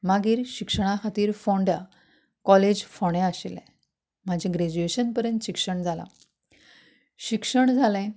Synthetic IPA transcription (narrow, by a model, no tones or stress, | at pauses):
maɡiːɾɕikʂəɳ̃ãkʰat̪iːɾfoɳɖa | kɔled͡ʑfoɽ̃ɛ̃aɕelɛ̰̃ | m̤ad͡ʑʱĩɡɾed͡ʑueɕənpəɾjənt̪ɕikʂəɳd͡zʱala̰ | ɕikʂəɳd͡zʱalɛ̃